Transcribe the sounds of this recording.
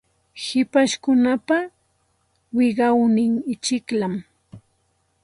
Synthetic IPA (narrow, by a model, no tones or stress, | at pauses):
hɪpaʃkʊnapa | wɪɢɑwnɪŋɪt͡ʃɪklam